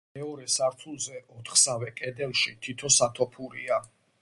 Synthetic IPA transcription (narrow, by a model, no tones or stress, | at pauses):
mɛɔɾɛsaɾt̪ʰulˠzɛʔɔt̪ʰχsavɛkʼɛd̪ɛlˠʃit̪ʰit̪ʰɔsat̪ʰɔpʰuɾḭa